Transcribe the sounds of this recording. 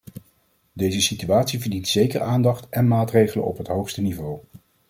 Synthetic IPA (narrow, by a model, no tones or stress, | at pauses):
dejzəsityaːtsivəɹdintsejkə̰ɹʔaːndɑχtɛnmaːtrejχələ̰nɔ̰pɦətɦowχstənivow